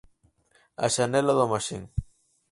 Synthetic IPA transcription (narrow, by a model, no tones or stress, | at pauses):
a̰ʃanɛlaðomaʃiŋ